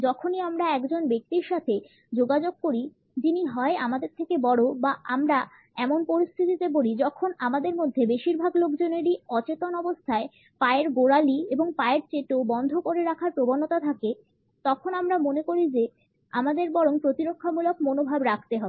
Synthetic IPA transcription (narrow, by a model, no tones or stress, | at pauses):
d͡ʑɔkʰoniamɾaɛkd͡ʑonbek̚t̪iɾʃat̪ʰe | d͡ʑoɡad͡ʑoɡ̚koɾi | d͡ʑiniɦɔeamad̪eɾt̪ʰekebɔɽobaʔamɾa | ɛmonpoɾist̪ʰit̪it̪eboɽid͡ʑɔkʰonamad̪eɾmod̪ʱːebeʃiɾbʱaɡlokd͡ʑoneɾiɔt͡ɕet̪onɔbost̪ʰae | paeɾɡoɽalieboŋpaeɾt͡ɕeʈobɔnd̪ʱokoɾeɾakʰaɾpɾobonːot̪at̪ʰake | t̪ɔkʰonamɾamonekoɾid͡ʑe | a̰mad̪eɾbɔɽoŋpɾot̪iɾokʰːamulok̚monobʱabɾakʰt̪eɦɔbe